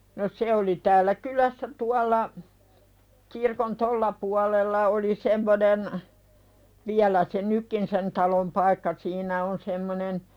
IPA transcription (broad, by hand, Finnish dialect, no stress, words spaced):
no se oli tæːlːæ kylæsːæ tuɑlˑɑ kirkon tolːɑ puɑlelːɑ oli semːonen ʋiælæ se nykːin sen tɑlom pɑikːɑ siːnæ on semːonen